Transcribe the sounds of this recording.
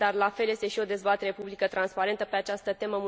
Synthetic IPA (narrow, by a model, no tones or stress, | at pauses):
d̪arlafe̞lje̞st̪e̞ʃio̞d̪e̞zbat̪e̞ɾe̞publikət̪ɾanspaɾe̞nt̪əpe̞at͡ʃast̪ət̪e̞məmu